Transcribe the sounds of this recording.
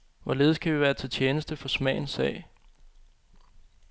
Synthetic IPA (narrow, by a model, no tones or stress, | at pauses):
ʋɒle̝ːð̞̩ˠskʰæʋiʋæːɐt͡sʰe̝lt͡ɕʰeːnəsd̥əfɒ̽smɛ̰ɪnsɛ̰ːɪ